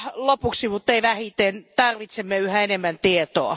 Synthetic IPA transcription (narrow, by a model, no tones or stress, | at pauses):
lopuksimut̪ːeiʋæhit̪ent̪ɑrʋit̪semːeyhæenemːænt̪iet̪oɑ